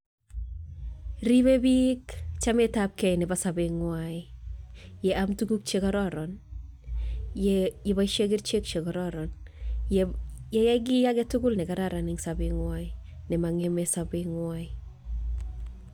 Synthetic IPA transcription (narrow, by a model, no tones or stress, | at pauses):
ɾibebikt͡ʃametap̚kɛjnɪbasabɪŋwaɪ | jɛamtukuk̚t͡ʃekɔɾɔɾɔn | jebaʃeɡɪrt͡ʃek̚t͡ʃekɔɾɔɾɔn | jɛjɛɡ̬ɪjakɛtʊkʊlnɪkaɾaɾanɪŋsabɪŋwaɪ | nɪmaŋemesabɪŋwaɪ